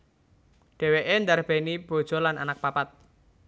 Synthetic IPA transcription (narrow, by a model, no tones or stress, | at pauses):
ɖ̥ɛ̤weʔend̪arb̥e̤nib̥o̤d̥ʒ̥ɔ̤lana̰nak̚papat̪̚